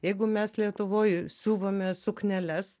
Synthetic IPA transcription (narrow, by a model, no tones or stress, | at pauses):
jɛɪɡʊmʲɛslʲiɛt̪ʊʋoːjsʲuːʋoːmʲɛsʊknʲɛlʲɛs